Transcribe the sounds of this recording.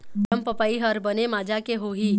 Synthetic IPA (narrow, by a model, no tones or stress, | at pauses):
əmpəpaiɦəɾbənemaːd͡ʒakeɦoɦi